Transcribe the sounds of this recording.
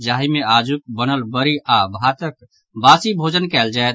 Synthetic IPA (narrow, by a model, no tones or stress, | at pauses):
d͡ʒaːɦimẽaːd͡ʒuk̚bənəlbəɾiabʱat̪ək | baːsibʱoːd͡ʒənkɛːld͡ʒaːet̪